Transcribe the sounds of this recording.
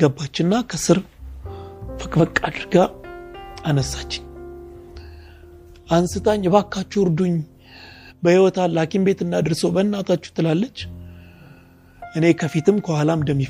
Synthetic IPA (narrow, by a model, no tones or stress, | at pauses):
əbːat͡ʃːɪnːakʰəsɨɾ | fəkʼfəkʼːad̪ɨɾɡa | ʔanəsːat͡ʃːɪ̥ɲ | ʔansɨt̪ʰʼaɲːɛβakːat͡ʃːuʊɾd̪uɲː | bəhiwɔt̪ʰalakʼimbe̞t̪ɨnːad̪ɨɾsowbənːat̪ʰat͡ʃːu̥t̪ʰːɨlalːət͡ʃː | ʔɨne̞kʰəfit̪ʰɨmkʰəhalamd̪əmːi